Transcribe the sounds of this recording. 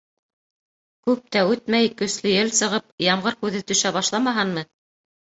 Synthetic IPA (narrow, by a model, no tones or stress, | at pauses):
kʉp̚t̪æʉt̪mæjkɵ̆slɘjɘlsɤ̆ʁɤpjɑmʁɤɾkʉðɘt̪ɵ̆ʃæbɑʃlˠɑmɑɦɑnmɤ